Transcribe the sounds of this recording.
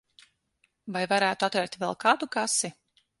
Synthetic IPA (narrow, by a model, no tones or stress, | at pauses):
vajvaɾæːt̪uat̪vɛɾt̪vɛlˠkʰaːd̪ukasi